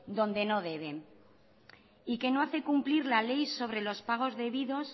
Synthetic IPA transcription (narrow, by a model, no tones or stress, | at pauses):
d̪o̞nd̪e̞no̞ðe̞β̞e̞ | ike̞no̞aθe̞kumpliɾlale̞jso̞β̞ɾe̞lo̞spaɣ̞o̞zðe̞βiðo̞s